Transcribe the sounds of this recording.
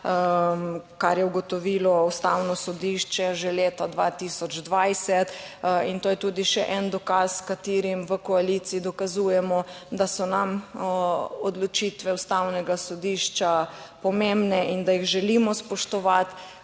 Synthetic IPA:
kaɾjɛuɡɔt̪ɔʋilɔust̪awnɔsɔd̪iʃt͡ʃɛʒeleːt̪ad̪ʋat̪isɔd͡ʒd̪ʋajsɛt̪int̪oːjɛt̪uːd̪iʃɛʔɛnd̪ɔkaskat̪iːɾimʋəkɔalit̪siːd̪ɔkazuːjɛmɔd̪asɔnam | ɔd̪lɔt͡ʃit̪ʋɛust̪awnɛɡasɔd̪iːʃt͡ʃapɔmembnɛind̪ajiɣʒɛlimɔspɔʃt̪ɔʋat̪

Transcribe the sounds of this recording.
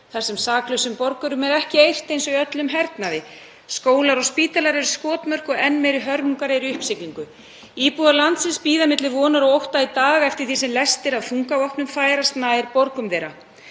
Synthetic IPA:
θaɾ̥sɛmsaːklœɥsʏmpɔɾkʏɾʏmɛɾɛhcɪejr̥t̪ejnsɔjœt̪lʏmɦɛɾt̪naðɪ | skoːwlaɾɔɣspiːt̪alaɾɛɾʏ̥skɔːt̪mœr̥kɔɣɛnːmejɾʏɦœɾmuŋkaɾɪɾiʏhpsɪkliŋkʏ | iːpuðalant̪sɪnspiːðamɪt̪lɪvɔːnaɾɔɣowht̪ait̪aːɣɛft̪ɪɾ̥θi̥sɛmlɛst̪ɪɾawfuŋkavɔhpnʏmfaːjɾast̪naːjɪɾpɔɾkʏmvɛːɾa

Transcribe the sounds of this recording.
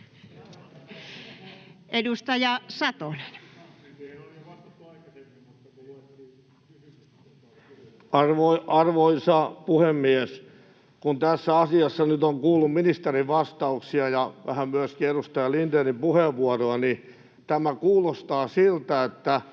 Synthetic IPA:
ʔedust̪ɑjɑsɑt̪oneninoliɑst̪ɑt̪ɑikɑt̪et̪imut̪ː | ɑrʋoɑrʋoisɑpuhemːiæs | kunt̪æsːæɑsiɑsːɑnyt̪oŋkuːlːumminist̪eriʋɑst̪ɑuksiɑjɑʋæ̰hæmmyæskiedust̪ɑjɑlint̪enimpuheʋʋuɑroɑni | t̪æmækuːlost̪ɑːsilt̪æet̪ːæ

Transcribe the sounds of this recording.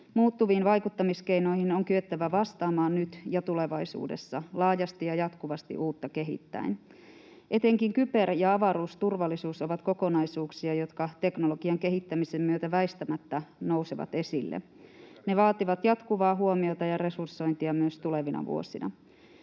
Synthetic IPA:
muːt̪ːuʋiːnʋɑjkut̪ːɑmiskeijno̞ihinoŋkyøt̪ːæʋæʋɑst̪ɑːmɑːnnyt̪jɑt̪ule̞ʋɑjsṵːde̞̰sːɑlɑːjɑst̪ijɑjɑt̪kuʋɑst̪ḭʔuːt̪ːɑke̞ɦḭt̪ːæ̰in | ʔe̞t̪e̞ŋkiŋkype̞rjɑɑʋɑɾuːst̪urʋɑlːisuːsoʋɑt̪ko̞ko̞nɑjsuːksiɑjo̞t̪kɑt̪e̞knolo̞ɡ̥iɑŋke̞ɦit̪ːæmisemːyøt̪æʋæist̪æmæt̪ːæno̞wseʋɑ̰t̪e̞silːḛ | ne̞ʋɑːt̪iʋɑt̪jɑt̪kuʋɑːɦuomiot̪ɑjɑre̞sursːo̞jnt̪iɑmyøst̪uleʋinɑ̰ʋṵo̰sinɑ̰

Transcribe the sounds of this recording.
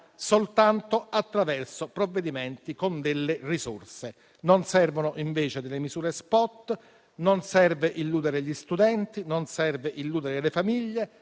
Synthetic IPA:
solt̪ant̪oat̪ːɾavɛrsopɾovːed̪imɛnt̪ikond̪elːerisorse | nonsɛrvonoʔiɱveːt͡ʃed̪elːemizuːɾespɔt̪ː | nonsɛrveʔilːuːd̪eɾeʎist̪ud̪ɛnt̪inonsɛrveʔilːuːd̪eɾelefamiʎːe

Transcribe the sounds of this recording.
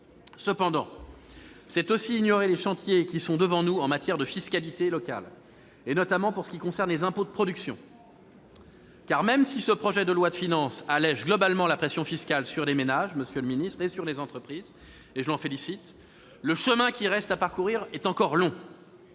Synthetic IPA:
səpɑ̃d̪ɑ̰̃ | sɛt̪osiːnjɔʁeleʃɑ̃t̪jekʲisɔ̃d̪əvɑ̃nuɑ̃mat̪jɛʁd̪əfiskalit̪elɔka̰l | enɔt̪amɑ̃puʁsə̥kʲikɔ̃sɛʁnlezɛ̃pod̪əpχɔd̪yksjɔ̰̃ | kaʁmɛmsisəpχɔʒɛd̪əlwad̪əfinɑ̃salɛʒɡlɔbalmɑ̃lapχesjɔ̃fiskʲalsyʁlemenaʒməsjøləminist̪χesyʁlezɑ̃t̪χəpχiz | eʒəlɑ̃felisit̪ | ləʃəmɛ̃kʲiʁɛst̪apaʁkuʁiʁɛt̪ɑ̃kɔʁlɔ̃

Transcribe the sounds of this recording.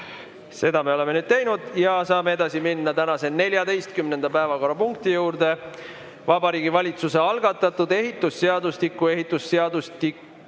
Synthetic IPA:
se̞d̪̥ɑme̞o̞le̞menyːd̪̥̚t̪e̞jnud̪̥jɑsɑːme̞e̞d̪ɑsiminːɑt̪ænɑse̞ne̞lʲjɑd̪e̞jst̪kymne̞nd̪̥ɑpæevɑko̞rːɑpuŋk̚t̪ijuːɾd̪̥e̞ | vɑbɑɾiːɡivɑlʲit̪suse̞ɑlɡ̥ɑt̪ːˑɑt̪ːˑud̪̥e̞ɦit̪ˑːusːe̞ɑd̪ust̪ikːˑue̞ɦit̪ːˑusːe̞ɑd̪̥ust̪ik

